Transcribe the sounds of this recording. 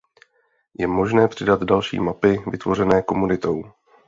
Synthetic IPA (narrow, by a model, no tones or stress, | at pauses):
jɛmo̞ʒnɛːpr̝̥ɪdad̪dalʃḭːmapɪvɪt̪vo̞rɛnɛːko̞munɪt̪o̞w